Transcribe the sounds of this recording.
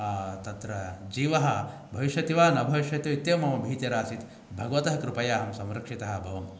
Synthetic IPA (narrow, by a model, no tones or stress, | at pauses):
ɐːt̪ɐt̪ɾɐd͡ʒiːʋɐɦɐ | bʱɐʋiʃjɐt̪iʋaːnɐbʱɐʋiʃjɐt̪jɐit̪jɐmɐmɐbʱiːt̪jɐɾaːsit̪ | bʱɐɡɐʋɐt̪ɐɦɐkɾupɐjaːɦɐmsɐ̃mɾɐkʂit̪ɐɦɐ̆bʱɐʋɐm